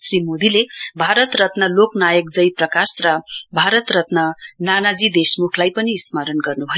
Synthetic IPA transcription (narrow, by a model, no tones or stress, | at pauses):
srimod̪ilebʱaɾʌt̪rʌt̪nʌloknajʌk̚d͡zʌjprʌkasrʌbʱaɾʌt̪rʌt̪nʌnanad͡zid̪esmukʰlajpʌniːsmʌɾʌnɡʌrnubʱʌjo